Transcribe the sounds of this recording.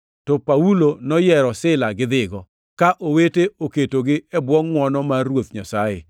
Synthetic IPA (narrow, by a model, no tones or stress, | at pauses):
tɔpaulonɔjɛɾɔsɪlaɡɪd̪ɪɡɔ | kaʔoweteoketoɡɪɛbwɔŋmwɔnɔmarwot̪̚ɲasajɪ̰